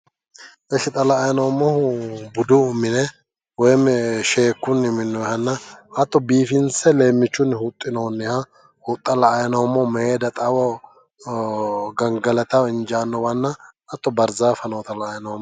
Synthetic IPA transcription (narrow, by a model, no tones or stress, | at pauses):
ʔɛʃɪt̪ʼɐlɐːjɐnɐwmːɔhbʊd̪ʊʊmːɪnɛ | wɔjmɛʃeːkːʊnːɪmɪnːɔhɐnːɐhɐt̪ːɔbiːfɪnsɛleːmːɪt͡ʃːʊnhʊt̪ʼːɪnoːnːɪhɐ | hʊt̪ʼːɐlɐːjɐnɐwmːɔmeeːd̪ɐt̪ʼɐwɔ | ɡɐŋɡɐlɐt̪ɐɪnd͡ʒaːnːɔwɐnːɐʔɐt̪ːɔbɐɾzaːfɐnwt̪ɐlɐːjɐnɐwmːɔ